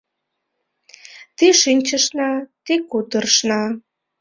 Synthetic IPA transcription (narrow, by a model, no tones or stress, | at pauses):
t̪iʃinʲt͡ɕəʃnɑt̪ikut̪ərʃnɑ